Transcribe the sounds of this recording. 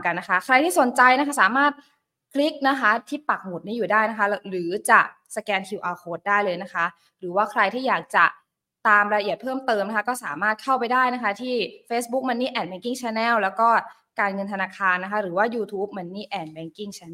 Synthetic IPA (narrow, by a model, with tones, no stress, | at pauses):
ka˧nːa˦˥kʰa˦˥kʰɾa˧jt̪ʰiː˥˩so˨˩˦nt͡ɕa˧jna˦˥kʰa˦˥˩saː˩˦maː˥˩t̪̚ | kʰli˦˥k̚na˦˥kʰa˦˥t̪ʰiː˥˩pa˨˩k̚mu˨˩t̪̚niː˥˩juː˨˩daː˥˩jna˦˥kʰa˦˥ɾɯː˩˦t͡ɕa˨˩k̚ | sa˧kɛː˧nkʰi˧wʔaː˧kʰoː˦˥t̪̚daː˥˩jlɤː˧jna˦˥kʰa˦˥ | ɾɯː˩˦waː˥˩kʰɾa˧jt̪ʰiː˥˩jaː˨˩k̚t͡ɕa˨˩ | t̪aː˧mɾa˧ʔi˨˩ət̪̚pʰɤː˥˩mt̪ɤː˧mna˥a˥kɔː˥˩saː˩˦maː˥˩t̪̚kʰa˥˩wpa˧jdaː˥˩jna˦˥kʰa˦˥t̪ʰiː˥˩feː˦˥sbu˦˥k̚ma˧nːiː˥˩ʔɛː˨˩t̪̚bɛː˧˥ŋki˥˩ŋt͡ɕʰɛː˧nɛː˥˩wlɛː˦˥wkɔː˥˩ | kaː˧nŋɤ˧nt̪ʰa˧naː˧kʰaː˧nːa˦˥kʰa˦˥ɾɯː˩˦waː˥˩juː˧t̪ʰuː˦˥p̚ma˧nːiː˥˩ʔɛː˨˩t̪̚bɛː˨˦˥ŋki˥˩ŋt͡ɕʰɛ˧